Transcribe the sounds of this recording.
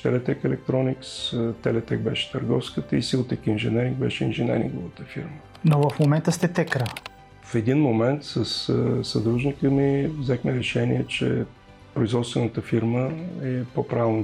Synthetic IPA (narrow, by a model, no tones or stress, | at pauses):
t̪ɛlɛt̪ɛkɛlɛk̚t̪ɾɔnikst̪ɛlɛt̪ɛɡ̚bɛʃɛ̥t̪əɾɡɔfskət̪əisilˠt̪əkiinʒɛnɛɾiŋɡbɛ̰ʃɛinʒɛnɛ̰ɾḭŋɡovət̪əfḭɾmə | novəfmomɛnt̪əst̪ɛt̪ɛkɾə | fɛd̪inmomɛnt̪səssəd̪ɾuʒnikəmivzɛxmɛɾɛʃɛniɛt͡ʃɛ̰ | pɾoizvɔt̪st̪vɛnət̪əfiɾməɛpopɾavn